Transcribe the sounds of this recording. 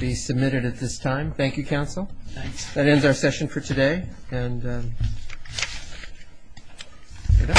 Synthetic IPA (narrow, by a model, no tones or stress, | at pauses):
bisɨb̚mɪɾɨɾɨt̪̚ðɪstʰãɪ̃mθæ̃ŋkjɨkʰãʊ̃nsl̩ˠðɨɾɛ̃ndzaʊə˞sɛʃɨ̃nfə˞tʰɨdeɪɨ̃n